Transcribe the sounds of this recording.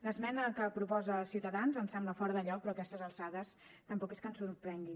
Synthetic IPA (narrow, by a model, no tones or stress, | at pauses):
ləzmɛnəkəpɾupɔzəlˠsiuwt̪əðanzəmsɛmbləfɔɾðəʎɔk̚pɾɔːkɛst̪əzəlˠsaðəs | t̪əmpɔkeskənsuɾpɾɛŋɡin